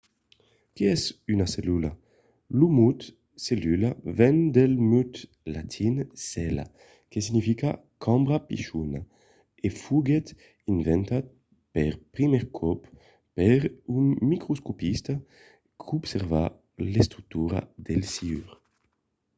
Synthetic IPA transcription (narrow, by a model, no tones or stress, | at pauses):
kiɛsynaselula | lumut̪ | selylavɛnd̪elmyt̪ | lat̪ʰinsɛla̰ | kes̬inifikakʰɔmbɾapiʃuna | efuɡet̪ | invɛnt̪at̪̚ | peɾpɾimɛɾkʰɔp | peɾynmikɾuskopist̪a | kʰubseɾva | lest̪ɾuk̚t̪uɾa̰d̪elsiyɾ